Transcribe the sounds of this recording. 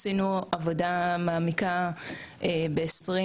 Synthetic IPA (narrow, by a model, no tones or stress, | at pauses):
sinuavo̞damaːmika | ebe̞esʁi